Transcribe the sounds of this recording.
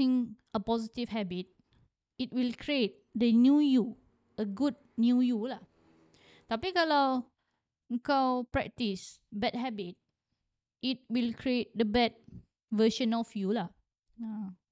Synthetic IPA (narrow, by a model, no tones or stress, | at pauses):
ĩŋ | əpɔzitifhɛbit̚ | it̚wilkʰɹiet̚dənjuju | əɡud̚njujula | t̪apikəla | ŋkawpɹɛ̰k̚tisbɛt̚ɦɛbit̚ | it̚wilkʰɹiet̚dəbɛt̚ | vəʃə̃nɔfjula | a